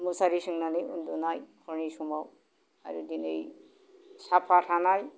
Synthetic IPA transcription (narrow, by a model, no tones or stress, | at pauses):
musaɾisɯŋnanɯṵndunajkʰɔɹnisumaw | a̰ɾudinej | sapʰatʰanaj